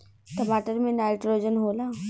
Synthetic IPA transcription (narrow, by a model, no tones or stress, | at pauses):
ʈɐmaːʈəɾmẽnaːɪʈɾoːd͡ʒənɦoːlaː